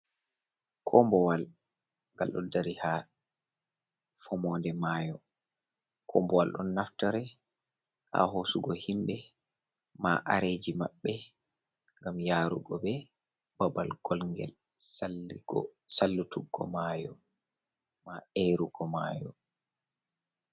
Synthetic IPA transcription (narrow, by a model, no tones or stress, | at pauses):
kʰɔmbɔwal | ŋɡalɗɔ̰daɾiha | fɔmɔːndɛmaːjɔ | kʰɔmbɔwalɗɔ̰nːaftaɾɛ | ʔa̰ɦosuɡɔhimbɛ | ma̰ʔa̰ɾed͡ʒimaɓːɛ | ŋɡamjaːɾṵɡɔbɛ | babalɡ̥ɔlŋɡɛ̰l | saiɡsalːutʰuɡːɔ̰majɔ | maeɾuɡɔma̰jɔ